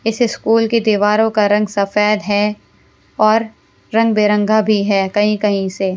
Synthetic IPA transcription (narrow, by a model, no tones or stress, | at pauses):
ɪsɪskuːlked̪iːʋaːɾõkaɾɐ̃ŋɡsɐfɛːd̪ɦɛ | ɔːɾː | ɐ̃ŋɡ̚beːɾə̃ŋɡʱabʱiɦɛːkɐɦĩkɐɦĩse